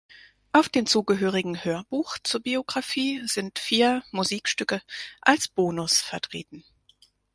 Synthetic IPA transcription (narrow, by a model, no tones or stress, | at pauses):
ʔaʊfd̥eːmt͡suːɡəɦøːʁ̞ɪɡŋ̩høːɐbuːxt͡suːɐbioɡʁafiːz̥ɪntfiːɐmuziːkʃtʏkəʔalsb̥oːnʊsfɛɐtʁ̥ḛːtn̩